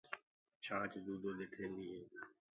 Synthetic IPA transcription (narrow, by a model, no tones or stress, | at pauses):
t͡ʃʰãːt͡ʃd̪uːd̪oːɗ̪eːkʰẽːnd̪iːɦeː